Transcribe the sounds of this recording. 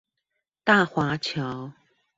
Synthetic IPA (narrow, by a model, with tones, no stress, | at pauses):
t̪a˥˩xwa˧˥t͡ɕʰjɑ˧˥ʊ